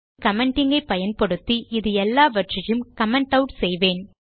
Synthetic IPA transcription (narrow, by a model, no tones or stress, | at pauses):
kɐmɛɳʈɪŋɡɐɪpːɐjɐnpɐɽɯt̪ːiʔɪðɯɛlːaːʋɐʈrɐjɯmkɐmɛɳʈɐʊʈsɛjʋeːn